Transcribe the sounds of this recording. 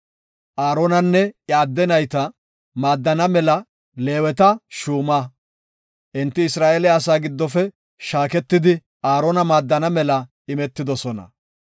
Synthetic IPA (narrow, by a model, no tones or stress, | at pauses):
ʔaːɾonɐnːɛjaːd̪ːɛnɐjt̪ɐ | maːd̪ːɐnɐmɛlɐ | le̞ːwɛt̪ɐʃuːmaː | ʔɪnt̪ːɪɪsɾaːʔeːlɛɐs̬aːɡɪd̪ːɔfɛ | ʃaːkɛt̪ːɪd̪ɪ | aːɾoːnɐmaːd̪ːɐnɐmɛlɐ | ɪmɛt̪ːɪd̪ɔsɔnɐ̰